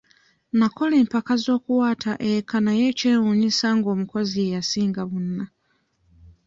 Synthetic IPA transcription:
nako̞le̞ːmpakazo̞ːkuwaːtʰaʔekʰanajeceːwuɲisaŋɡo̞ːmuko̞ziejasiːŋɡaβunːa

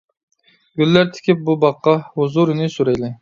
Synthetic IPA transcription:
ɡ̥ʲylːæɾt̪ʰɪ̥kʲʰɪp̚bubɑqːɑhuzuɾɪnɪsuɾɛjlɪ

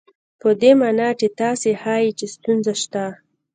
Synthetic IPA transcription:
pəd̪emɑnɑʈet̪ɑsehɑjit͡ʃest̪unzaʃt̪a

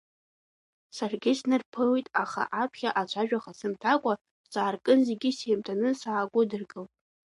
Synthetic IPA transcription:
sarɡʲɪsnɨrpʰɨlijtʼaχa̰ʔapʰχʲaʔat͡ʃʷʰaʒᶣaχasɨmtʰakʷʼa | zaːrkʼɨnzeɡʲiseːmtʰanɨsaːɡʷʊdɨrɡɨltʼ

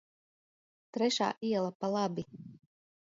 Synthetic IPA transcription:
t̪ɾɛʃa̰ːʔiɛlˠapalˠabi

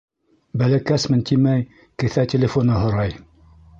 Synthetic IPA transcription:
bælækæsmɘnt̪imæj | kɘ̆θætʲelʲɪfonɤɦŏɾɑj

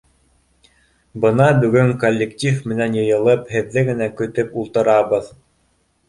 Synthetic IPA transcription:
bɤ̆nɑbɵ̆ɡɵŋkolʲːektʲifmɘ̆nænjɤ̆jɤ̆lˠɤphɘ̆ðːɘɡɘ̆nækɵ̆t̪ɵpulˠt̪ɤ̆ɾɑβɤð

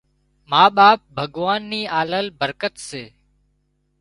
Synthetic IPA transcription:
maːɓaːp̚bʱəɡʋaːnːiːaːləlbəɾkət̪seː

